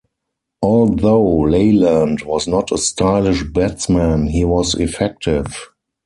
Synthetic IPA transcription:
ʔɔlðoʊleɪlãntwɔznɔtʰəstʰalɪʃbɛmæ̃nhiːwɔsɪfɛk̚tʰɪv

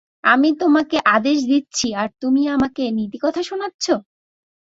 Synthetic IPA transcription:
amit̪omakeʔad̪eʃ̬d̪it̪ːɕʰiaɾt̪umiamakenit̪ikɔt̪ʰaʃonatːɕʰo

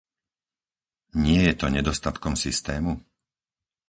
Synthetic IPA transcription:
ɲɪɛjɛt̪ɔɲɛd̪ɔst̪at̪kɔmsist̪ɛːmu

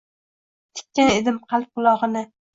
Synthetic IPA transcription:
t̪ʰɪ̥kʲːaned̪ɪmqʰɑlˠp̚qʊlˠɒʁɨnɪ

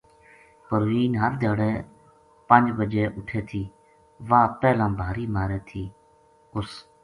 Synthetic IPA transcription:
pəɾɣiːnɦəɾd̪ʱeːɽeː | pənd͡ʒbəd͡ʒeːʔʊʈʰeːt̪ʰiː | ʋaːpɛːlãːbʱaːɾiːmaːɾeːt̪ʰiː | ʊs

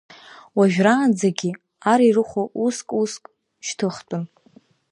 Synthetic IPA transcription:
waʒᶣraːnd͡zaɡʲi | aɾirɨχʷoʔuskʼuskʼ | ʃtʰɨχtʼʊn

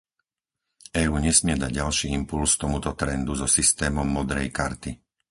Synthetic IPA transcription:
ɛːuːɲɛsmɪɛd̪aɟ̚ɟalʃiːimpulst̪ɔmut̪ɔt̪ɾɛnd̪uzɔsist̪ɛːmɔmːɔd̪ɾɛjkaɾt̪i

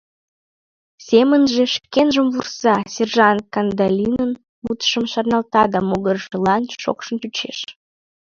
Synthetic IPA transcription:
sʲemənʒeʃkenʒəmvursɑsʲerʒɑnkɑnd̪ɑlʲinən | mut̪ə̥ʃəmʃɑrnɑlt̪ɑd̪ɑmoɣərʒəlɑnʃo̰kʃənt̪ut͡ɕḛʃ

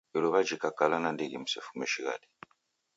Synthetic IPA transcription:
iɾɔβad͡ʒikakalanandiɡimusɛfumɛʃiɣa̰di̥

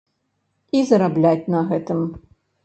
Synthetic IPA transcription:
izɐɾablʲatʲnɐɣɛt̪ɨm

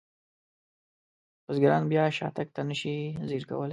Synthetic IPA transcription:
pəzɡaɾɑnbjɑʃɑ̰t̪ak̚t̪anəʃiziɾka̰wəle

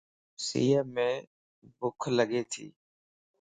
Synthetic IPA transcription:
sḭːəmẽː | bʊkʰləɠeːt̪ʰḭː

